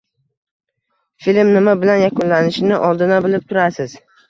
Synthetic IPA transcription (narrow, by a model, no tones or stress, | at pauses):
filmnɪmabɪlanjakʊnlanɪʃɪnɪʔɒlˠd̪ɪnabɪlɪp̚t̪ʰʊɾasɪz̥